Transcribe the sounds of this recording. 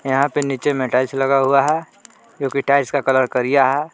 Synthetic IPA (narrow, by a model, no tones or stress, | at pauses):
jɐɦãpeniːt͡ʃemẽʈaːɪslɐɡaɦuaɦɛ | d͡ʒõːkiʈaːɪskakɐləɾkɐɾijaɦɛː